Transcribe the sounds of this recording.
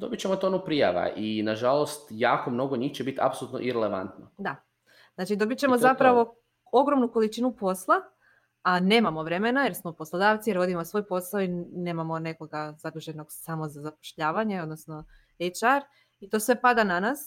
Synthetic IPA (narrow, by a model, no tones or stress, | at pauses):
d̪o̞̰bit͡ɕemot̪onupɾija̰ʋa̰ʔinaʒalost̪jaːkomno̞ɡoɲixt͡ɕebit̪a̰psolˠut̪noʔiɾeleʋa̰nt̪nod̪a | znat͡ʃid̪o̞bit͡ɕe̞mozapɾaʋo̞ | o̞ɡɾo̞mnuko̞lit͡ʃiːnupo̞slˠa | ane̞ːmamo̞ʋɾe̞me̞najeɾsmouposlˠod̪aːʋt̪sijeɾʋo̞d̪imosʋo̞jpo̞saoine̞ːmamo̞ne̞ko̞ɡazad̪ɾuʒe̞no̞ɡsamo̞zazapo̥ʃʎaːʋaɲe̞o̞d̪no̞sno̞ | et͡ʃaɾ | it̪o̞sʋe̞pad̪ananas